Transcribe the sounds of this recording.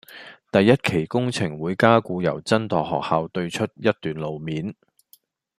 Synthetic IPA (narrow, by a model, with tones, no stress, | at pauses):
t̪ɐ˨jːɐ˥t̚kʰe˨˩jkʊ˥ŋt͡sʰɪ˨˩ŋwuː˨˧˥jkaː˥kuː˨˧jɐ̰˨˩wt͡sɐ˥nt̪ɔː˨k̚hɔ̰ː˨k̚haː˧wt̪ɵ˧ɥt͡ʃʰɵ˥t̚jɐ˥t̚t̪ːyː˨nlo˨wmiː˨˥n